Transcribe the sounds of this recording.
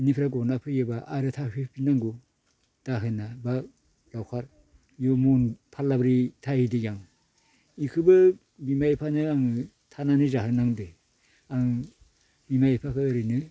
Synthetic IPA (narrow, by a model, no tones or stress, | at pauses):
inipʰɾaɡɔnapʰɯjɯbaʔaɾɯtʰahipʰinaŋɡu | d̥aɦɯnaba | lawkʰaɾ | jomunpʰalːabɾitʰahidejaŋ | ikʰɯbɯ | bimajpʰanɯaŋɯ | tʰananizaɦɯnaŋde | aŋ | bimajipʰakʰɯːɾɯnɯ